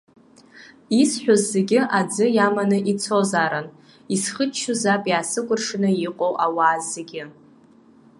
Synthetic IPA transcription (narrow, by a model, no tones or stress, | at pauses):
isħʷᶣozːeɡʲɪʔad͡zɨjamanɨʔit͡sʰo̞zaɾan | isχətt͡ʃʰːuzapʼjaːsɨkʷʼʊrʂnɨiqʷʼowʔawaːzːeɡʲɪ